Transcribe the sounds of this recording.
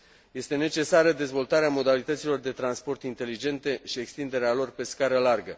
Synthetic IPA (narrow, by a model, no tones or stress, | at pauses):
je̞st̪e̞ne̞t͡ʃe̞saɾəd̪e̞zvo̞lt̪aɾeamo̞d̪alit̪ət̪silo̞rd̪e̞t̪ɾanspo̞rt̪int̪e̞lid͡ʒe̞nt̪e̞ʃie̞kst̪ind̪e̞ɾealo̞rpe̞skaɾəlarɡə